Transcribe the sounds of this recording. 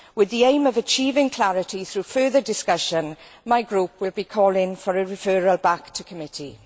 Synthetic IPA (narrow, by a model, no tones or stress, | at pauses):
wɪðiẽɪ̃məvət͡ʃʰiːvɪ̃ŋkʰl̥aɹɪtʰiθɹuːfɜːðədɪskʌʃə̃nmaɪɡɹupʰwɪlˠbikʰɔːlɪ̃ŋfəɹəɹɪfɜːɹəlˠbaktʰəkʰəmɪtʰi